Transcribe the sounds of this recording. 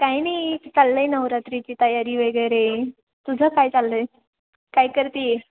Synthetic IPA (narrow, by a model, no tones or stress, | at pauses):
kajnajt͡salːəjnəʋɾat̪ɾit͡ɕiːt̪əjaɾiːʋəɡəjɾe | t̪ud͡zʱəkajt͡salːəj | kajkəɾt̪ie